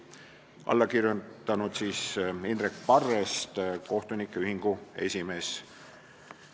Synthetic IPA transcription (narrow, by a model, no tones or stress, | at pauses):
ʔɑ̰lːɑkirjunt̪ːɑnud̪̥siːsinrekpɑrːest̪ko̞ht̪unikːˑeyɦiŋɡ̥ue̞̰sʲime̞ːs